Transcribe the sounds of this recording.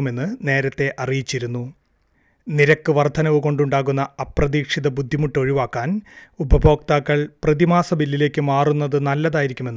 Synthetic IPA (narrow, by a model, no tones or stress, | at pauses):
ume̞nːɨne̞ːɾɐt̪ːe̞ʔɐrijit͡ɕːiɾunːu | niɾɐkːɨʋɐrd̪ʱɐnɐʋɨko̞ɳɖuɳɖaːɣunːɐɐprɐðiːkʂiðɐbud̪ʱːimuʈːo̞ɻiʋaːkːaːnubʱɐbʱo̞ːk̚t̪aːkːɐɭprɐðimaːsɐbilːile̞ːkʲːɨmaːrunːɐðɨnɐlːɐðaːjiɾikʲːume̞nː